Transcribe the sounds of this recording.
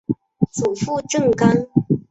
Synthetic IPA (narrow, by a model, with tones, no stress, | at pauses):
t͡su˨˩fu˥˧ʈ͡ʂɤ˥˩ŋka˥ŋ